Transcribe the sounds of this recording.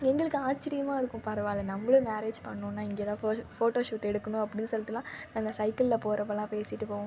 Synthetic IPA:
ɛŋɡɐɭɯkːɯaːt͡ʃːɪɾɪjɐmaːɪɾɯkːʊ̃pɐɾɐʋaːlɐnɐmbɐɭʊ̃maːɾeːd͡ʒpɐ̰ɳːʊ̃ːnːaːɪŋɡeːt̪ãːfoːʈoːʂuːʈːɛɽɯkːɐnʊ̃ɐpːɐɽɪnːɯsɔlːɪt̪ːɪlãːnaːŋɡɐsɐɪkɪllɐpoːɾɐpːɐlãːpeːsɪʈːɯpoːʋʊ̃

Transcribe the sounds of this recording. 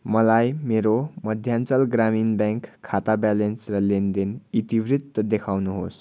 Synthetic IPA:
mʌlajmeɾoməd̪ʱjant͡səlɡɾaminbaŋkʰːat̪abalensrʌlend̪enit̪iʋɾit̪ːd̪ekʰawnuɦos

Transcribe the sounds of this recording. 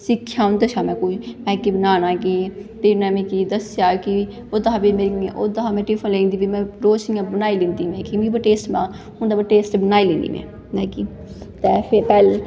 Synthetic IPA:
sɪkʰːjaːʊ̃nd̪ət͡ʃʰaːmɛ̃ːkoːimɛ̃ːkibənaːnãːkiteːnɛ̃ːmɪ̃kid̪əsjaːki | oːd̪aabimeɾʔoːd̪əɦaːmɛ̃ːʈiːfʰənlẽːnd̪iːbimɛ̃ːɾoːsiãːbənaːiːlĩːnd̪iːmɛ̃ːkimĩːbəʈeːsʈmãː | ʊnd̪abəʈeːsʈbənaːiːlẽːnd̪ḭːmɛ̰̃ː | nɛ̃ːkiː | t̪ɛːpʰɪɾpɛːl

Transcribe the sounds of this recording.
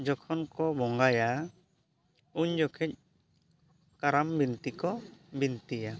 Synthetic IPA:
d͡ʒɔkʰɔnkɔbɔŋɡaja | uɲd͡ʒɔkʰɛc̚ | kaɾambint̪ikɔbint̪ija

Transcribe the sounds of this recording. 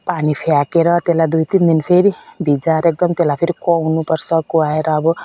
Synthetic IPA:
panipʰeakeɾʌt̪elajd̪ujt̪ind̪inpʰeɾibʱid͡zaɾek̚d̪ʌmt̪elajpʰeɾikɔwnupʌrsʰʌkuaeɾʌːbʌ

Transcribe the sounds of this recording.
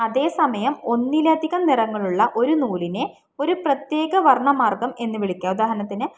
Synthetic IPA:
ɐðe̞ːsɐmɐjɐmo̞nːilɐd̪ʱiɣɐmnirɐŋːɐɭuɭːɐʔo̞ɾunuːline̞ | o̞ɾuprɐt̪je̞ːɡɐʋɐrɳɐmaːrɡɐme̞nːɨʋiɭikʲːaːud̪aːɦɐɾɐnɐt̪ːinɨ

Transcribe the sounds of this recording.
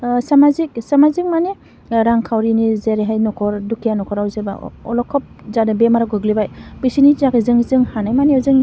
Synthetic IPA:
samazik̚samazik̚mane | ɾaŋkʰawɾinizeɾeɦajnɔkʰɔɾdukʰijanɔkʰɔɾawzeba̰ɔ̰lɔkʰɔp̚zadabemaɾaɡɯɡlibajbisinizakʰɯzɯŋzɯŋhanajmaneawzɯŋ

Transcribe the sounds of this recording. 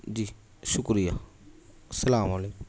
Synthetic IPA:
d͡ʒiː | ʃʊkɾija | sɐlaːmaleːk

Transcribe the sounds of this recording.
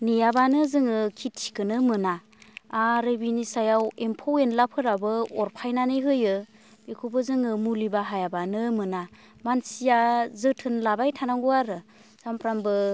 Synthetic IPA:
nijabanɯzɯŋɯkʰitʰi̥kɯnɯmɯnaː | ɾebinisajawempʰowenlapʰɯɾabɯɔɾpʰajnanɯjɦɯjɯ | bikʰubɯzɯŋɯmulibaɦajabanɯmɯna | mansijazɯtʰɯnlabajtʰanaŋɡuaɾɯ | sampʰɾambɯ

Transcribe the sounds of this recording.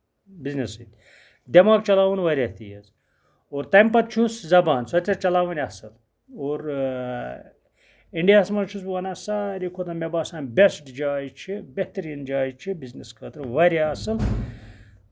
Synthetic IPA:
bʲiznisɨt̪ʲ | d̪ʲɐmaːɡt͡ʃɐlaːʋunʋɐɾʲɐht̪ijɐz | oːɾt̪ɐjmpɐt̪̚t͡ʃʰuszɐbaːnsɐt͡ʃɐɾt͡ʃɐlaːʋɐnʲɐsɨl | oːɾ | iɳɖijaːsmɐnt͡ʃʰus̬bʋɐnaːsaːɾʲikʰot̪ɐmebaːsaːnbʲesʈd͡ʒaːjit͡ʃʰibeht̪ɐɾiːnd͡ʒaːjt͡ʃʰibizniskʰɐt̪ɾʋɐɾaɐsɨl

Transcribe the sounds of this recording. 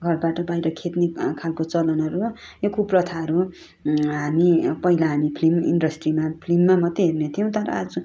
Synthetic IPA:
ɡʱʌrbaʈʌbajɾʌkʰet̪nekʰalkot͡sʌlʌnʌɾu | jokʰuprʌt̪ʰaʌɾu | ɦamipʌɦilaɦamipʰlimḭnɖʌsʈrimapʰlimːamʌt̪ːeɦernet̪ʰijʌ̃t̪ʌɾʌ̰a̰d͡zʌ

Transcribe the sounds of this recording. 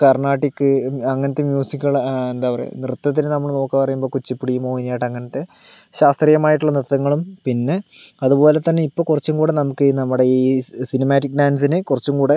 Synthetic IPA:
kɐrɳaːʈːikːɨɐŋːɐnɐt̪ːemjuːsikːuɣɐɭend̪aːʋɐrḛnrɨt̪ːɐt̪ːinɨnɐmːɐɭno̞ːkːɨpːɐrɐjumboːkut͡ɕːipːiɽijumoːinːjaːjiʈːɐŋːɐnɐt̪ːe̞ | ɕaːst̪rijɐmaːjiʈ̬ːuɭːɐnrɨt̪ːɐŋːɐɭumpinːe̞ | ɐðupo̞ːle̞t̪ːɐnːe̞ipːo̞ːkurɐt͡ɕːumkuːɽe̞nɐmukːɨnɐmːuɽeiːsinɐmaːʈːik̚ːɖaːns̬inɨkurɐt͡ɕːumkuːɽe̞

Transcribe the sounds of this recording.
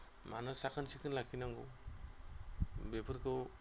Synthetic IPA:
manasakʰansikʰɯnlakʰinaŋɡɔ | bepʰɯɾkʰɯ

